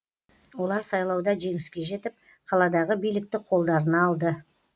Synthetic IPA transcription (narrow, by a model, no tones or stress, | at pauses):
wo̞lˠɑɾsɑjlˠɑwd̪ɑʒe̞ŋɪskʲe̞ʒe̞t̪ɪp̚ | qʰɑlˠɑd̪ɑʁəbijlɪk̚t̪ɪqʰo̞lˠd̪ɑɾənɑːlˠd̪ə